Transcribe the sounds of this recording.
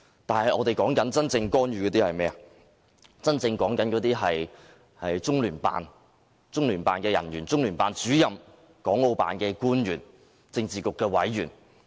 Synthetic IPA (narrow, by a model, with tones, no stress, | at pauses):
t̪aː˨nɦɐ˨jʔɔː˨˧t̪e˨jkɔː˨˥ŋkɐ˨˥nt͡sɐ˥nt͡sɪ˧ŋkɔː˥njyː˨˧kɔː˨˧t̪iː˥hɐ˨jmɛː˥ɐ˨ | t͡sɐ˥nt͡sɪ˧ŋkɔː˨˥ŋkɐ˨˥nkɔ˨˧˥t̪iː˥ɦɐ˨j | hɐ˨jt͡sʊ˥ŋlyː˨˩npa̰ː˨n | t͡sʊ˥ŋlyː˨˩npa̰ː˨nkɛː˧jɐ̰˨˩njyː˨˩nt͡sʊ˥ŋlyː˨˩npaː˨nt͡syː˨˥jɐ˨m | kɔː˨˥ŋo˧wpa̰ː˨nkɛː˧kuː˥njyː˨˩n | t͡sɪ˧ŋt͡siː˨kʊ˨kːɛː˧wɐ˨˥jjyː˨˩n